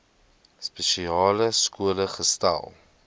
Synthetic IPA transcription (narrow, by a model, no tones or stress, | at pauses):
speʃiɑːləskuələχəstæ̰lˠ